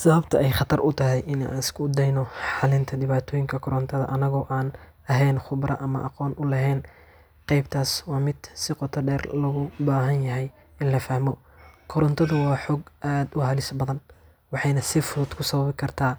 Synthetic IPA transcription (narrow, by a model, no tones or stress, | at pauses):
sɐβɐbt̪ʰɐʔɛjχɑt̪ʰɐrʔʊt̪ʰɐɦɛjʔɪna̰ːnɪskʰʊd̪ɛjnɔħɑlɪnt̪ʰɐd̪ɪβaːt̪ʰɔːjɪŋkʰɐkʰɔɾɔnt̪ʰɐðɐ̰ʔɐnɐɣɔːʔaːn | ɐɦɛjnχʊbrʔɐ̰ʔɐmɐ̰ʔɑqɔːnʔʊlɐɦɛːn | qɛjb̚t̪ʰaːswɑːmɪd̪sɪqɔt̪ʰɐɖɛːrlɐɣʊbaːɦɐnjɐɦɛj | ɪnlɐfɐhmɔ | kʰɔɾɔnt̪ʰɐðʊwɑːħɔːɡʔaːd̪ʊhɐlɪsbɐðɐn | wɑħɑjnɐsɪfʊðʊd̪kʰʊsɐβɐβɪkʰɐrt̪ʰaː